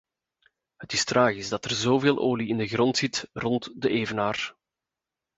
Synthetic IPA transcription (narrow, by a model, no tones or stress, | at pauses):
ɦətɪstraːɣizdɑtərzoːveːlˠʔoːliɪndəɣrɔntsɪtrɔntdəʔeːvənaːr